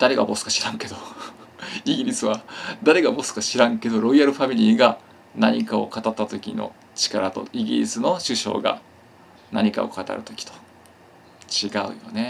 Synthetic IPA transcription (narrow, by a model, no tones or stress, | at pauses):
d̪̥aɾe̞ɡa̰bo̞sɨ̥kḁɕiɾãŋke̞d̪o̞ | iɡʲiɾʲisɨβad̪aɾe̞ɡabo̞sɨ̥kaɕiɾãŋke̞d̪o̞ɾo̞iaɾɯ̟ɸamʲiɾʲiːɡa | naɲ̟ikao̞̰kat̪at̪ːat̪o̞kʲino̞̰ | t͡ɕi̥kaɾat̪o̞̰iɡʲḭɾʲḭsɨno̞ɕɨɕo̞̰ːɡa̰ | na̰ɲ̟ika̰o̞̰kat̪a̰ɾɯ̟t̪o̞̥kʲi̥t̪o̥ | t͡ɕiɡaɯ̟̰jo̞̰ne̞